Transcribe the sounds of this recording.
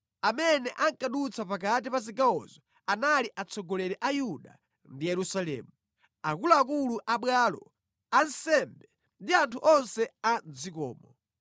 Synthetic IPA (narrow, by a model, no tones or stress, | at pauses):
amɛnɛʔaŋkaɗut͡sʰapakatipas̬iɡaɔ̰zɔ | analiʔat͡sʰɔɡɔlɛɾɛʔajuɗa̰ | ndijɛɾusalɛ̰ːmu | akulaːkuluʔaɓwalɔ̰ | ansɛmbɛ | ndiantʰuʔɔnsɛand͡zikɔ̰ːmɔ